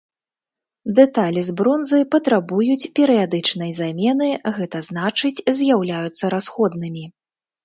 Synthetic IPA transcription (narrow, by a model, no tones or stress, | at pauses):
d̪ɛt̪alʲizbɾɔnzɨpɐt̪ɾabujut͡sʲpʲɛɾɨjad̪ɨt͡ʂnɐjzamʲɛnɨɣɛt̪ɐznat͡ʂɨt͡sʲzʲjawlʲajut̪sːɐɾasxɔd̪nɨmʲi